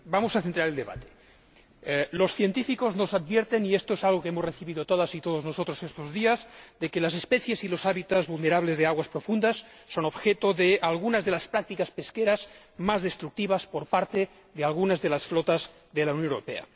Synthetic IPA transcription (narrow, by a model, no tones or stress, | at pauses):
bamosaθent̪ɾaɾeld̪eβa̰t̪e̥ | losθjent̪ifikoznosad̪̚βjeɾt̪eniest̪oesalɣokeemozreθiβiðot̪oðasit̪oð̞oznosot̪ɾosest̪ozðiazd̪ekelasespeθjesilosaβit̪azβulneɾaβlezðeaɣwaspɾofund̪asːonobxet̪oðealɣunazðelaspɾak̚t̪ikaspeskeɾaz | mazðest̪ɾuk̚t̪iβaspoɾpaɾt̪e | ðealɣunazðelasflot̪az | ðelaunjonewɾo̰pea̰